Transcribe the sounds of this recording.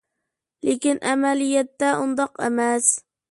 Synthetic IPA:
lekʲɪnʔamalɪjat̪ːaʔʊnd̪ɑqemas

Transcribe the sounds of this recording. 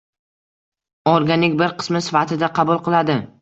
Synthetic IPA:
ɒɾɡʲanɪkʲbɪɾqʰɨ̥smɪsɪfat̪ʰɪd̪aqʰɑbʊlˠqʰɨlˠad̪ɪ

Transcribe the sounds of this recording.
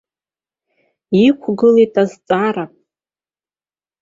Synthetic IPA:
ikʷʰɡɨletʼazt͡sʼaɾa

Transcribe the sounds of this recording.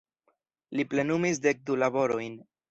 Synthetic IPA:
liple̞numisde̞k̚dulabo̞ɾo̞jn

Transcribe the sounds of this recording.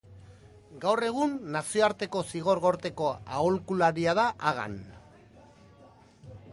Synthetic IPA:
ɡawre̞ɣ̞unːasioaɾt̪e̞ko̞siɣ̞o̞ɾɣo̞ɾt̪e̞ko̞aolkulaɾiað̞aʔaɣ̞a̰n

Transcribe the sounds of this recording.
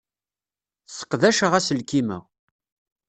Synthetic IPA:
sə̥qðæʃəʁæsəlkimə̰ʁ

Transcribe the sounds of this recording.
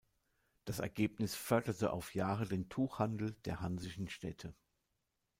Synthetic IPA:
d̥asɛ̰ɐɡeːpnɪsfœɐdɐtəʔa̰ʊfjaːʁədeːntʰuːxhandl̩d̥eːɐɦanzɪʃn̩ʃtɛtʰə

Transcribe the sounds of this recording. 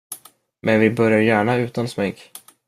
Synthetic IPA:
mʔɛnvɪbœɾjaɾjæːɳaʉ̟ːt̪ansmɛŋk

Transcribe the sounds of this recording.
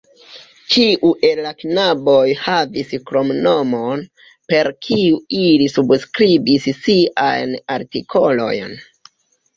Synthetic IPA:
t͡ʃiʔuʔe̞lːaknabojhaviskɾo̞mno̞mo̞n | pe̞ɾkʰiuilisubskɾibissiʔajnaɾtikʰo̞lo̞̰jn

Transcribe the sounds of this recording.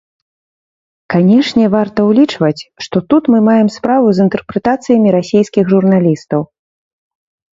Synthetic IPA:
kanʲɛʂnʲɛvart̪ɐwlʲit͡ʂvɐt͡sʲʂt̪ɔt̪ut̪mɨmajɛmspɾavuzɨnt̪ɛrpɾɛt̪at̪sɨjɐmʲiɾasʲejskʲixʐurnalʲist̪ɐw

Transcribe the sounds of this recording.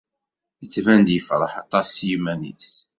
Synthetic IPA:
jət͡sːvænd̪jəfɾˤəħɑt̪ˤɑsːjimænḭs

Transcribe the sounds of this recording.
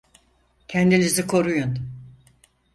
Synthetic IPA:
cʰɛnd̪inizikʰo̞ɾujun

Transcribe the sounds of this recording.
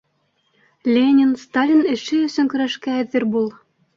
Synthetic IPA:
lʲenʲinst̪alʲinɘ̆ʃɘɵ̆sɵ̆ŋkɵ̆ɾæʃkæːðɘɾbulˠ

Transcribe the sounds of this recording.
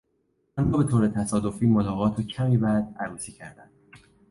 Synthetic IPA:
ɒnhɔːbe̞t̪ʰoːɾet̪ʰæsɒːd̪o̞fiːmolɒːɣɒːt̪ʰɒːcʰæmiːbæːd̪̥æɾuːsiːcʰæɾd̪æ̰nd̪̥

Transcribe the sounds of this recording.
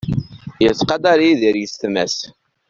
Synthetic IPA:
jət͡sːqɑd̪ɑɾiðiɾjəst̪mæ̰s

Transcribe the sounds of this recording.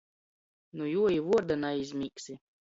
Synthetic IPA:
nujuɔjivuɔɾd̪anaizʲmʲiksʲi

